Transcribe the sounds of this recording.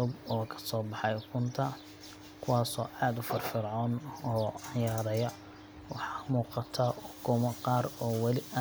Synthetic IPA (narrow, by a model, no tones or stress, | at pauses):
ʊbɔːkʰɐ̥sɔːbɑħɑjkʰʊnt̪ʰɐ | kʰʊwɑːsɔ̰ːʔaːd̪ʊfɐrfɪrʕɔːnɔːɑjɐɾɐðɐjɐ | wɑħɑːmuːqɑt̪ʰɐʊɡʰʊmɐqɑːɾɔːwɑlɪʔɐ